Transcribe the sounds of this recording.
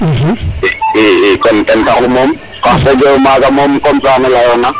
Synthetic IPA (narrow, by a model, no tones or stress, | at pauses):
kɔntʼɛntʰarʊmom̩ | kasɛd͡ʒɔʊmaɡamom̩kʼɔmt͡sʼanɛlajɔna